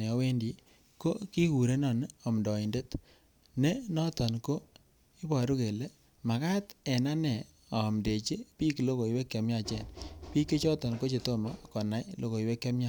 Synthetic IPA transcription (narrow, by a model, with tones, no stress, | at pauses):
e˨ɔ˦we˦ndi˨ | ko˦ki˦ku˨ɾe˦nɔ˨n˦ɔ˨m˨dɔ˨i˨nde˦t | ne˦nɔ˦tɔ˨nko˦ | i˦bɔ˨ɾu˦ke˨le˦ | ma˨ka˦tɛ˨na˦nɛ˨ | ɔ˨mde˨t͡ʃe˦pi˦klo˦ko˨i˨we˦kːe˨mja˦˨t͡ʃɛ̰˦˨npi˦kːe˦t͡ʃɔ˦tɔ˨nko˦t͡ʃe˨to˦ma˨kɔ˨na˨jlʔo˦ko˨i˨we˦kːe˦mɲa˦